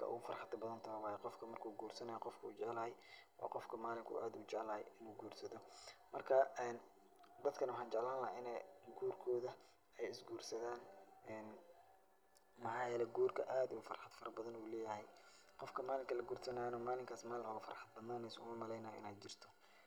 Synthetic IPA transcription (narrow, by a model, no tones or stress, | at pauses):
kʰɐ̰ʔʊ̰ɣʊfɐrħɑd̪ɐbɐðɐnt̪ʰɐwaːjɛqɔfkʰɐmɐrkʰuːɡuːrsɐnɐjɔqɔfkʰɐṵt͡ʃɛʕlɐhɛjʔɔ̰ːqɔfkʰɐmaːlɪŋkʰʊ̰ːʔaːd̪uːt͡ʃɛʕlɐhɛ̰jɪnuːɡuːrsɐðɔmɐrkʰɐɛːn | d̪ɐd̪kʰɐnɐwɑħɑːnt͡ʃɛʕlaːnlɐɦaɪnɛɡuːrkʰɔːðɐ | ɛjɪsɡuːrsɐðaːnɛːn | mɑħɑːjɛːlɛɡuːrkʰɐʔaːd̪ʊʊfɐ̰rħɑd̪̥fɐrɐbɐðɐnuːlɛːjɐɦɛj | qɔfkʰɐmaːlɪŋkʰɐlɐɡuːrsɐnɐjnɔːmaːlɪŋkʰaːsmaːlɪnʔɔɣʊfɐrħɑd̪̚bɐnaːnɛjsɔʊmɐmɐlɛjnɐjʔɪ̰naːd̪t͡ʃɪr̥t̪ʰɔ̥